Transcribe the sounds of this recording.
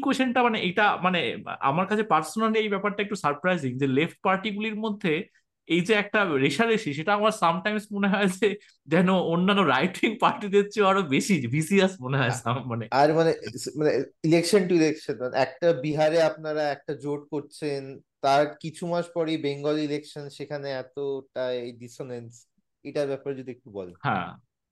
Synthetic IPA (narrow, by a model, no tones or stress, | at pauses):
ikeʃanʈamaneʔejʈamanea̰maɾkat͡ɕʰepaɾsonalejbɛpaɾʈaek̚ʈusaɾpɾajziŋd͡ʑelefʈ̚paɾʈikuliɾmod̪ʱːe | ejd͡ʑeɛk̚ʈaɾeʃaɾeʃiʃeʈaamaɾsamʈajmsmoneɦɔed͡ʑe | d͡ʑɛnoonːanːoɾajʈiŋpaɾʈid̪etːt͡ɕʰeoaɾobeʃibʱisiasmoneɦɔesammːaneaɾmanemaneilekʃonʈuilekʃonmanḛɛk̚ʈabiɦaɾeapnaɾaɛk̚ʈad͡ʑoʈ̚koɾt͡ɕʰent̪aɾkit͡ɕʰumaʃpɔɾibeŋɡolilekʃonʃekʰaneɛt̪oʈaeeɖisonens | eʈaɾbɛpaɾed͡ʑod̪iek̚ʈubɔ̰lohã̰